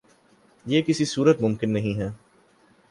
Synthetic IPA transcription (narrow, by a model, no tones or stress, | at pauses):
jeːkɪsisuːɾət̪mʊmkɪnːɐɦĩɦɛː